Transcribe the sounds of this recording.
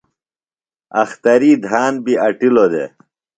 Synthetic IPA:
ɐ̰xt̪ɐɾid̪ʱaːnbiɐʈilod̪ḛ

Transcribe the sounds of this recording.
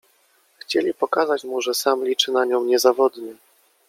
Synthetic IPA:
xt͡ɕelʲipɔkazat͡ɕmuʐɛsamlʲit͡ʂɘnaɲɔ̃w̃ɲɛzavɔd̪ɲɛ

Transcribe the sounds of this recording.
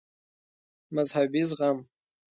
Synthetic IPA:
mazħabizʁam

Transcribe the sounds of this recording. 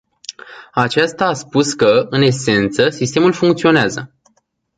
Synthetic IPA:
at͡ʃast̪aːspuskəɨne̞se̞nt̪səsist̪e̞mulfuŋkt̪sio̞neazə

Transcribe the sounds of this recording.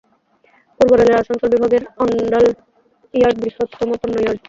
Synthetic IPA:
puɾboɾeleɾaʃaŋsolbibʱaɡeɾɔɳɖɔl | ijaɾʈ̚bɾihot̪ːɔmoponːɔjɔɾʈ

